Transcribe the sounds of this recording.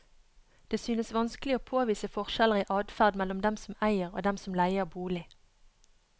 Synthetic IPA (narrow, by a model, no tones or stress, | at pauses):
d̪̥eːsyːnəsʋɑnsklɪoːpʰoːʋiːsəfɔʁʃɛləʁiːʔɑːd̪fæʁd̪mɛlɔmd̪ɛmsɔm̩æɪəʁo̰ːd̪ɛmsɔmlæɪəʁbuːlɪ